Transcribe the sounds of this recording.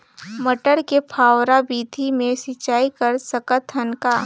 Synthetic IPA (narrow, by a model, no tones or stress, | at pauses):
məʈəɾkepʰaːwɾabiːd̪ʱimẽsɪt͡ʃaːikɐəɾsɐkət̪ʰənkaː